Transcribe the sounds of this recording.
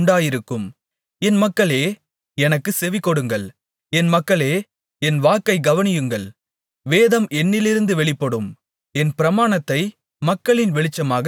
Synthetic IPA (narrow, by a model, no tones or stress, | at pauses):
ɳɖaːjɪɾɯkːɯm | ɛnmɐkːɐɭeː | ɛnɐkːɯsɛʋɪkːɔɽɯŋɡɐɭ | ɛnmɐkːɐɭeː | ɛnʋaːkːɐɪɡɐʋɐnɪjɯŋɡɐɭ | ʋeːðɐmʔɛnːɪlɪɾɯnd̪ɯʋɛɭɪpːɐɽɯm | ɛnpɪɾɐmaːnɐt̪ːɐɪ | mɐkːɐɭɪnʋɛɭɪt͡ʃːɐmaːɣɐ